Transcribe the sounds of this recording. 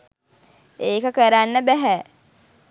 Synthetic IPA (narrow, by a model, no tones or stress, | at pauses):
eːkəkəɾanːəbæɦɛ